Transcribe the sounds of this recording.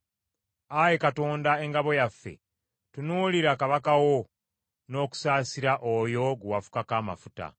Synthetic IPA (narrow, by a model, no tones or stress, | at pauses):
ajekato̞ːndae̞ŋɡaβo̞jafːe̞̰ | tunuːliɾakaβakawo | no̞ːku̥saːsiɾaʔojo̞ɡuwafu̥kakaːma̰futa̰